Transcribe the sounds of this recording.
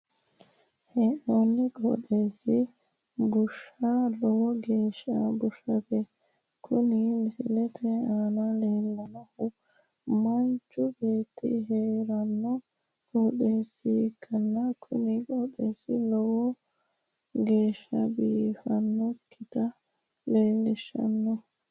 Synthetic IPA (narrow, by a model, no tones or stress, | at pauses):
hɛnonːɪkʼo̰d̪e̞ːsɪ | bʊʃɐlɔwɔɡe̞ːʃɐbʊʃɐt̪ɛ | kʰʊnɪmɪsɪlɛt̪ʰɛaːnɐleːlːɐnɐhʊ | mɐnt͡ʃːʊbe̞ːt̪ːḭɦeːɾɐnːɔ | koːɗeːsːɪkʰːɐnːɐkʰʊ̰nɪkɔːɗeːsɪlɔwɔ | ɡe̞ːʃɐbiːfɐnːɔkʰːɪt̪ɐ | le̞ːlːɪʃɐ̰nːɔ